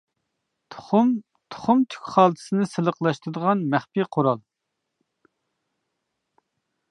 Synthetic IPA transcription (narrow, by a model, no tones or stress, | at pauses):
tʰm | t̪ʰʊ̥χʊmt̪ʰy̥kʲχɑːlˠt̪ʰɨ̥sɨnɨsɨlˠəqlˠɑʃt̪ɾd̪əʁɑnmæχpiqʰoɾɑlˠ